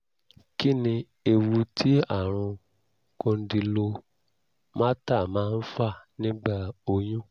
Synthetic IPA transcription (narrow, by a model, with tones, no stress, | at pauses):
ki˦nĩ˧ | e˧wu˧tʰi˦a˦˨ɾ̃ũ˧ | kõ˧n̩˦di˧lo˧ | mãː˦ta˦˨mãː˨˦n̩˦fa˦˨nĩ˦ɡ͡ba˦˨o˧j̃ũ˦